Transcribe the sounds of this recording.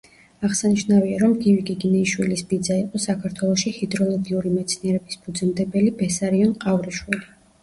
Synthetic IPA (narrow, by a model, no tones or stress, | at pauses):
aʁsaniʃnaviaɾɔmɡivɡiɡinɛiʃwilisbid̪zaiqʼɔsakʰaɾt̪ʰwɛlˠɔʃihid̪ɾɔlˠɔɡiuɾimɛt̪sʰniɛɾɛbisb̥ud̪zɛmd̪ɛbɛlibɛsaɾiɔnqʼavɾiʃwili